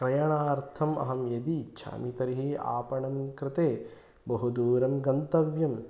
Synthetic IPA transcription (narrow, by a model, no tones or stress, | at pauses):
kɾɐjɐɳaːɾt̪ʰɐmɐ̰ɦɐmjɐd̪it͡ʃʰa̰ːmit̪ɐɾiɦia̰ːpɐɳɐmkɾɪt̪eː | bɐɦud̪uːɾɐmɡɐnt̪ɐʋjɐm